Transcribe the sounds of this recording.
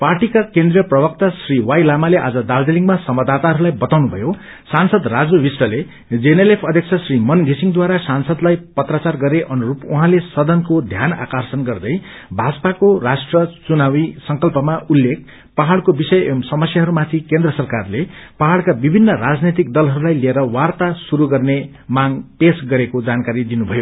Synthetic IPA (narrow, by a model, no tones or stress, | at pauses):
parʈikakend̪rijʌprʌbʌk̚t̪asriwajlamaleʔad͡zʌd̪awd̪eliŋɡmasʌmʌd̪at̪aɦʌɾulajbʌt̪awnubʱʌjo | sansʌd̪rad͡zowisʈʌle | d͡zenelepʰʌd̪ʱjʌk̚t͡sʰʌsrimʌnɡʱesiŋd̪waɾasansʌd̪lajpʌt̪rat͡sarɡʌɾeʔʌnuɾupuɦãlesʌd̪ʌnkod̪ʱjana̰kʌrsʌnɡʌrd̪ʌj | bʱad͡zpakorasʈrʌt͡sunawisʌŋkʌlpʌmaʔulːek̚ | paɦaɭkobisʌjsʌmʌsjaɦʌɾumat̪ʰikend̪rʌsʌrkarlepaɦakabibʱinːʌɾad͡znet̪ik̚d̪ʌlɦʌɾulajlieɾʌwart̪asuɾuɡʌrne | maŋɡpesɡʌɾekod͡zankaɾid̪inubʱʌjo